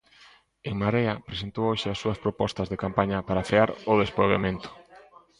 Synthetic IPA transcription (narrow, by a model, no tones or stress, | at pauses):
eŋmaɾeɐpɾesent̪owoʃɪasːuɐspɾopɔst̪ɐzðekampaɲɐpaɾafeaɾʊðespɾoβemẽnt̪ʊ̥